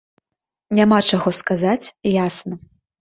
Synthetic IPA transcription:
nʲamat͡ʂaɣɔskazat͡sʲjasnɐ

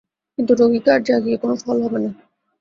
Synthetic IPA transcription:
kint̪uɾoɡikaɾd͡ʑaɡiekonofɔlɦɔbena

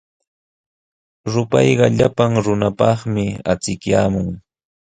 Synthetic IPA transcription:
ɾʊpɑjɢɑʎapaŋɾʊnapɑχmɪa̰t͡sɪkjaːmʊŋ

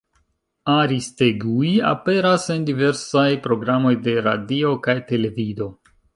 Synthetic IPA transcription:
aɾisteɡuia̰pe̞ɾase̞ndive̞ɾsajpɾo̞ɡɾamo̞jde̞ɾa̰dio̞kajte̞le̞vido̞

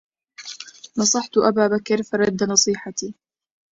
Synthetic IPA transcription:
nɑsˤɑħt̪ʔabaːbakɾfɑɾˤɑd̪ːanɑsˤiːħat̪iː

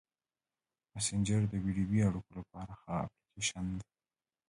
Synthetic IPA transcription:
masɪnd͡ʒəɾd̪əwiɖibiaɽukolapɑɾaxaa̰plikeʃand̪e

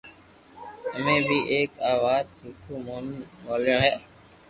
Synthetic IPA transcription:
əmẽːbʱiːʔeːkaːʋaːd̪̚suːʈʰũːmoːmoːljõːɦɛː

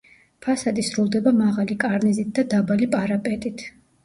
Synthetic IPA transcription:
pʰasad̪isɾulˠd̪ɛbamaʁalikʼaɾnizit̪̚ʰd̪ad̪abalipʼaɾapʼɛt̪ʼit̪ʰ

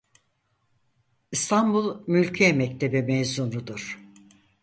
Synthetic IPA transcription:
ist̪ʰambulˠmylʲcʰijɛmɛct̪ʰe̞bimɛjzunɾud̪uɾ̥

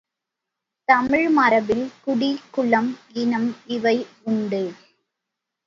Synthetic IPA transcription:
t̪ɐmɪɻmɐɾɐʋɪlkʊɽikʊɭɐmɪnɐmɪʋɐɪ | ʊɳɖɯ

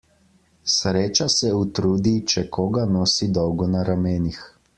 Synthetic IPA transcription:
sɾeːt͡ʃasɛut̪ɾuːd̪it͡ʃɛkɔːɡanɔːsid̪ɔwɡɔnaɾameːnix

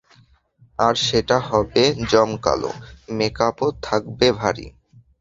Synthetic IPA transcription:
aɾʃeʈaɦɔbed͡ʑɔmka̰lo̰mekapot̪ʰak̚bebʱaɾḭ

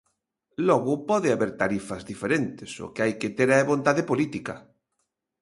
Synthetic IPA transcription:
lɔɣʊpɔðɪaβeɾt̪aɾifɐzðifeɾent̪esʊ̰kɪajket̪eɾɛβont̪aðepolit̪ikɐ

